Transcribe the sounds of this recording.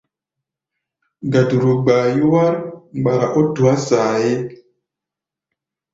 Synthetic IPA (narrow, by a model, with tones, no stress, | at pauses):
ɡa˨du˨ɾu˨ɡ͡ba˨ju˦wa˦ɾɡ͡ba˨ɾa˨ʔo˦tu˨a˦saː˨je˦